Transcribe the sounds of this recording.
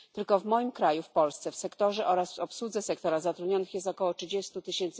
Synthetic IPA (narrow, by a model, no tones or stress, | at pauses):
t̪ɘlkɔvmɔjimkɾajufpɔlst̪sɛfsɛkt̪ɔʐɛʔɔɾasɔpswud̪zɛsɛkt̪ɔɾazat̪ɾud̪ɲɔnɘxjɛst̪ɔkɔwɔtʂɘd͡ʑɛst̪ut̪ɘɕɛnt̪s